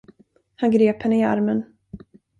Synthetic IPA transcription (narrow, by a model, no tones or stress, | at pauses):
hanɡɾeːphɛnːəɪa̰ɾmən